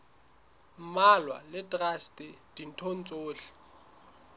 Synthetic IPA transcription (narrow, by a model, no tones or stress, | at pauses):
malwa̰lɪtʼrastʼɪd̥in̩tʰon̩t͡sʼoːɬɛ̥